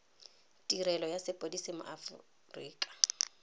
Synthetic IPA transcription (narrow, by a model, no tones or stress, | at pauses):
tʼiɾɛlɔjasɪpʼodisɪmʊ̰ʔafʊ̰ | riːkʼḁ